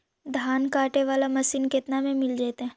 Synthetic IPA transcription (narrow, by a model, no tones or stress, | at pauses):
d̪ʱaːnkaːʈeʋaːlamɐsiːnkɪt̪namẽmɪld͡ʒaːt̪eɦɛ̃ː